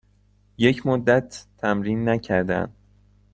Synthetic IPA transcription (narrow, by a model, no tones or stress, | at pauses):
je̞cʰmod̪ːæt̪ʰːæmɾiːnːæcʰæɾd̪æ̰nd̪̥